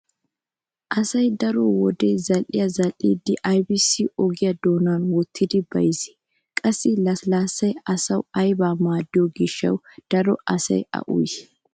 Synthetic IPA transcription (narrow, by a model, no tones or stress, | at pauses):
ʔɐsɐjd̪ɐɾɔwɔd̪ejzɐlʔɪ̰jɐzɐlʔḭːd̪ːɪʔɐjbɪsiɔɡɪjɐd̪oːnaːnwɔt̪ʰːɪd̪ɪbɐ̰jɪsɛ̥ | kʼɐsːɪlɐlaːsːɐjɐsɐwɐjbaːmaːd̪ːɪjɔɡɪʃːɐ̰wd̪̥ɐɾɔ̰ɐsɐ̰jɐ̰ʔʊ̰j